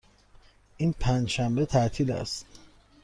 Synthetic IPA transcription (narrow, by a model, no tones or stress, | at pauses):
ʔiːnpʰænd͡ʒʃæmbet̪ʰæʔt̪ʰiːlæ̰st̪